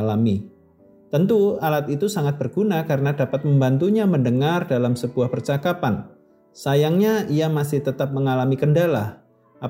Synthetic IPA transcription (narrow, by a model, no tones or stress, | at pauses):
lami | t̪ənt̪ualat̪̚it̪usaŋat̪̚bərɡ̥unakaɾənadapat̪̚məmbant̪uɲaməndəŋardalamsəbuahpərt͡ʃakapan | sajaŋɲaiamasɪht̪ət̪ap̚məŋalamikəndalah | ʔa